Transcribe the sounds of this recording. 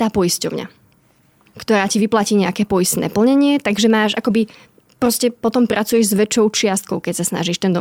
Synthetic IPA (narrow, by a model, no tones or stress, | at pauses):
t̪aːpɔiscɔ̰ʊɲa̰ | kt̪ɔɾaːciʋiplaciːɲɛakɛːpɔjist̪nɛ̰ːpl̩ɲɛɲɪɛt̪aɡʒɛmaːʒʔakɔbi | pɾɔscɛpɔt̪ɔmpɾʔat͡sujɛʒzʋɛt͡ʃɔʊt͡ʃɪast̪̚kɔʊkɛcsasna̰ʒiːʃt̪ɛnd̪ɔ